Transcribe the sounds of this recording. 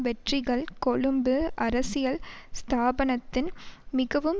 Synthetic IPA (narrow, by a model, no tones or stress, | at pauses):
ʋɛʈrɪɣɐɭkɔɭɯmbɯʔɐɾɐsɪjɐɭst̪ʰaːbɐnɐt̪ːɪnmɪɣɐʋɯm